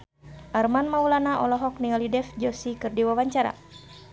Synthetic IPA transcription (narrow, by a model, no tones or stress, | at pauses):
ʔarmanmaulanaʔɔlɔɦɔk̚niŋalidɛfd͡ʒɔsikɨrdiwawaɲt͡ʃaɾa̰